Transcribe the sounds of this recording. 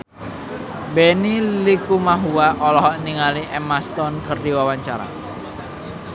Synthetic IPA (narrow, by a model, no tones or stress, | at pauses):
benilikumaɦuwaʔɔlɔɦɔʔniŋaliʔɛmast̪ɔnkərdiwawaɲt͡ʃaɾa̰